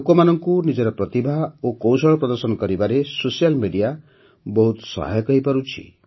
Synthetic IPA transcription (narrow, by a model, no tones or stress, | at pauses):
kɔmanɔŋkunid͡ʒɔɾɔpɾɔt̪ibʱaokowsɔɭɔpɾɔd̪ɔɾsɔnɔkɔɾibaɾesosijalmiɖija | bɔɦut̪sɔ̰ɦa̰jɔkɔɦipaɾut͡ʃʰḭ